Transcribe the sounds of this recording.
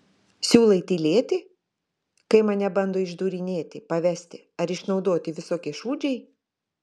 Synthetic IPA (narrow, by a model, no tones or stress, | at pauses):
sʲuːlˠɐɪt̪ʲilʲeːt̪ʲɪ | kɐɪmɐnʲɛbɐnd̪oːɪʒd̪uːɾʲɪnʲeːt̪ʲɪpɐʋʲæsʲt̪ʲɪ | ɐɾɪʃnɒʊd̪oːt̪ʲɪʋʲɪsoːkʲeʃuːd͡ʒʲɛɪ